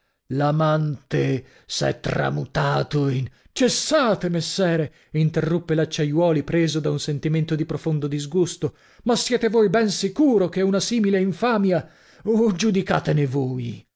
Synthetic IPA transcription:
lamant̪e | sɛ̰t̪ːra̰mut̪aːt̪oin | t͡ʃesːaːt̪emesːɛːɾe | int̪erːupːelat͡ʃːajwɔːlipɾeːzod̪aunsent̪iment̪od̪ipɾofond̪od̪izɡust̪o | masːjɛːt̪evojbɛnsikuːɾokeunasiːmileiɱfaːmja | od͡ʒud̪ika̰ːt̪enevoːj

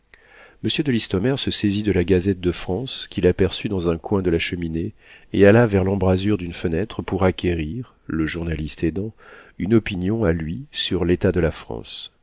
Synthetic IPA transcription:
məsjød̪əlist̪ɔmɛʁsəsezid̪əlaɡazɛt̪̚d̪əfχɑ̃skʲilapɛʁsyd̪ɑ̃zɛ̃kwɛ̃d̪əlaʃəmineealavɛʁlɑ̃bʁazyʁd̪ynfənɛt̪χəpuʁakʲeʁiʁ | ləʒuʁnalist̪ed̪ɑ̃ynɔpinjɔ̃alɥisyʁlet̪ad̪əlafχɑ̰̃s

